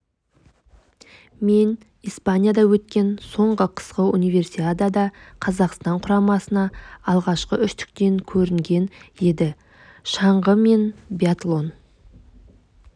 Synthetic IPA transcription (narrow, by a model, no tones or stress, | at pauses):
me̞n | ijspanʲijad̪ɑwɵt̪̚kʲe̞nso̞ɴʁəqʰə̥sqəunijve̞rsiad̪ɑd̪ɑqʰɑzɑqst̪ɑɴqʰʊɾɑmɑsənɑːlˠʁɑʃqəʏʃt̪ɪ̥k̚t̪e̞ŋkʲʰɵɾɪŋɡʲe̞ne̞d̪ɪ | ʃɑɴʁəme̞nbjat̪lˠo̞n